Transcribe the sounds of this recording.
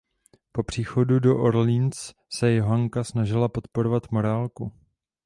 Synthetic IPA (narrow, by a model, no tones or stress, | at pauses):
po̞pr̝̥iːxo̞dudo̞ʔoɾlins | sɛjɛɦaŋkasnaʒɪlapo̞t̪po̞ɾovat̪mo̞ɾaːlku